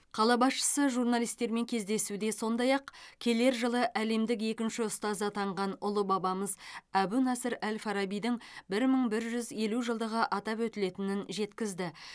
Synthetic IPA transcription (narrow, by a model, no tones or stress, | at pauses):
qʰɑlˠɑbɑsʃə̥səʒurnɑlˠijst̪e̞ɾme̞ŋkʲʰe̞zd̪e̞sud̪e̞so̞nd̪ɑjɑqkʲʰe̞le̞ɾʒəlˠəʔæle̞md̪ɪke̞kʲɪnʃɪʊst̪ɑzɑt̪ʰɑɴʁɑnʊlˠəbɑbɑməzæbunɑsəɾælfɑɾɑbijd̪ɪŋbɪɾməɴbɪɾʒʏze̞luʒəlˠd̪əʁəʔɑt̪ɑpwɵt̪ɪle̞t̪ɪnɪnʒe̞t̪kʲɪzd̪ɪ